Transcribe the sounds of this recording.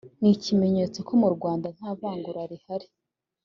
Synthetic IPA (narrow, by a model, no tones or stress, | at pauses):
nicime̞ɲeːt͡so̞kʰo̞muɾɡwaːndan̥haːβaːŋɡuɾaɾihaɾi